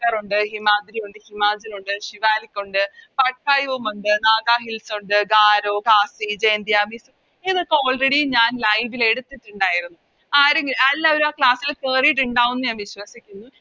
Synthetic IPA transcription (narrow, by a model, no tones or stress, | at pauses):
kɐruɳɖɨhimaːd̪ɾijuɳɖɨhimaːd͡ʑɐluɳɖɨʂiʋaːlikʲːuɳɖɨpɐʈ̚kaːjumuɳɖɨnaːɡaːɦilsuɳɖɨɡaːɾoːkaːsid͡ʑe̞ːnd̪ijaːmisu | iðokːeo̞ːɭreɽijɲaːnlɐjʋile̞ɽut̪ːiʈːuɳɖaːjiɾunːu | aːɾuŋɡilɐlːaːʋoɾuaːkɭaːsːilkeːrijiʈ̬ːuɳɖaːʋunːɨɲaːnʋiɕʋɐsikʲːunːu